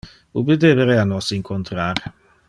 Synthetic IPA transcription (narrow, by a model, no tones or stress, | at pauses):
ubed̪eveɾeanɔsiŋkʰont̪ɾaɾ